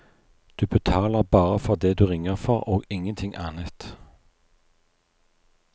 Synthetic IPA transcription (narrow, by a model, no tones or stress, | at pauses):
d̪̥ʉːbət̪ʰɑːləʁbɑːʁəfɔʁd̪eːd̪ʉːʁɪŋəʁfɔʁoːɡɪŋənt̪ʰɪŋʔɑːnət̪